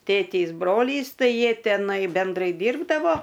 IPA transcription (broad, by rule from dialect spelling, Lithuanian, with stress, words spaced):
ˈtʲeːtʲeːs ˈbroːlʲiːs ˈtɐɪ ˈjiɛ tʲɛˈnɐɪ bʲɛnˈdrɐɪ ˈdʲiːrbdɐʋoː